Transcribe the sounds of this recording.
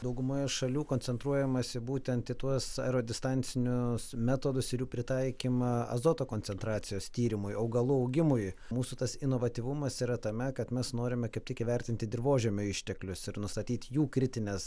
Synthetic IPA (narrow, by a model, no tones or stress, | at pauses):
d̪ɐʊɡʊmoːjɛʃɐlʲuːkonʲt͡s̪ʲɛnt̪ɾuɔjɛmɐsʲɪbuːt̪ʲɛnt̪ɪt̪uɔsɛ̰ɾoːd̪ʲɪst̪ɐnʲsʲɪnʲʊsmʲæt̪oːd̪ʊsɪɾjuːpʲɾʲɪt̪ɐɪkʲiːmɐɐ̰zoːt̪oːkoːnʲsʲɛnt̪ɾɑːt̪sʲɪjoːst̪ʲiːɾʲɪmʊjɐʊɡɐlˠuɐʊɡʲɪmʊjmuːsʊt̪ɐsɪnoːʋɐt̪ʲiʋʊmɐsiːɾɐt̪ɐmʲɛkɐt̪mʲɛsnoːɾʲɪmʲɛkɐɪp̚tʲɪkʲɪʋʲɛɾʲt̪ʲɪnt̪ʲɪd̪ʲɪrʋoːʒʲɛːmʲʊɪʃʲt̪ʲɛklʲʊsɪɾnʊst̪ɐt̪ʲiːt̪juːkɾʲɪt̪ʲɪnʲɛs